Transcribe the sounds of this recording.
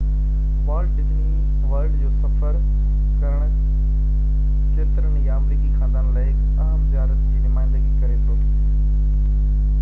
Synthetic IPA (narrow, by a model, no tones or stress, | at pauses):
ʋəːɾɖd͡ʑiː | ʋəlɖd͡ʑoːsɐfʰəɾ | kɐɾəɽ̃ | t͡ʃeːt̪ɾəɳ̃jaːmɾiːkikʰãːnd̪anlaːɪk | aːɦmzjaːɾət̪d͡ʑiːnʊmaːɪ̃nd̪əɡikɐɾet̪ʰoː